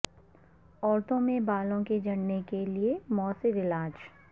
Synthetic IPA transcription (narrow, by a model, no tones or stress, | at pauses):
ɔːɾt̪õmẽbaːlõked͡ʒɐɽnekeliemɔːsɪʋɪlaːd͡ʒ